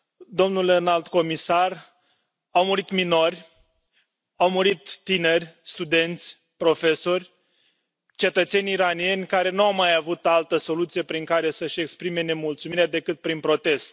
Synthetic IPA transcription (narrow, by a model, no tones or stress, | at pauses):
d̪o̞mnulenald̪ko̞misar | awmuɾit̪mino̞rʲ | awmuɾit̪ːine̞rʲst̪ud̪e̞nt̪sʲ | pɾo̞fe̞so̞rʲ | t͡ʃe̞t̪ət̪se̞nʲiɾanije̞nʲkaɾe̞nuawmajavut̪alt̪əso̞lut̪sije̞pɾiŋkaɾe̞səʃʲe̞kspɾime̞ne̞mult̪sumiɾead̪e̞kɨt̪̚pɾinpɾo̞t̪e̞st̪